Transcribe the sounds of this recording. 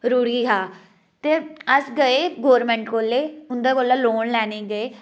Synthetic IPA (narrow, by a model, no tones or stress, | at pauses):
ɾuːɽiːɦaː | t̪eːəsɡəeːɡoːɾmɛ̃ːɳʈkoːleːʊnd̪aːkoːlaːloːnlɛːneːɡəeː